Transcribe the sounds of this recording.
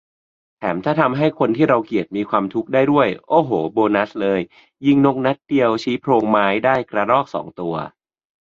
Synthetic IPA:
t̪ʰɛ̰ː˩˦mt̪ʰaː˥˩t̪ʰa˧mɦa˥˩jkʰo˧nt̪ʰiː˥˩ɾa˧wki˨˩ət̪̚miː˧kʰwaː˧mt̪ʰu˦˥k̚daː˥˩jdu˥˩əjʔoː˧˩ɦoː˩˦boː˧na˦˥slɤː˧jː | i˥˩ŋno˦˥k̚na˦˥t̪̚di˧əwt͡ɕʰiː˦˥pʰɾoː˧ŋmaː˦˥jdaː˥˩jkɾa˧ɾɔː˥˩k̚sɔ̰ː˩˦ŋt̪u˧ɐ

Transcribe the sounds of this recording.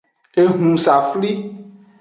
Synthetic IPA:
e˨ɦũ˨sa˨fli˦

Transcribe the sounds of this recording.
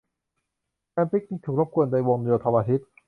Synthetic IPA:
ɛː˧mpi˦˥k̚ːi˧ŋt̪ʰuː˨˩k̚ɾo˦˥p̚kʰu˧ənda˧jwo˧ŋdi˧t̪ʰa˧mʔaː˧t̪ʰi˦˥t̪̚

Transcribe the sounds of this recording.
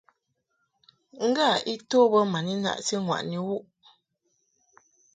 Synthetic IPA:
ŋ̩˦ɡa˦˨i˦toː˦bə˦ma˨ni˦na̰˦ʔsi˦ŋwa̰˨ʔni˨wu˦ʔ

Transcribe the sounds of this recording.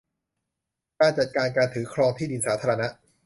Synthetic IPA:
kaː˧nt͡ɕa˨t̪̚kaː˧nkaː˧nt̪ʰɯː˩˦kʰɾɔː˧ŋt̪ʰiː˥˩di˧nsaː˩˦t̪ʰaː˧ɾa˧na˦˥ʔ

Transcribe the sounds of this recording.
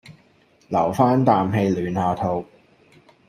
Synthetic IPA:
lɐ˨˩wfaː˥nt̪aː˨mɦe˧jlyː˨˧nhaː˨˧t̪ʰo˧w

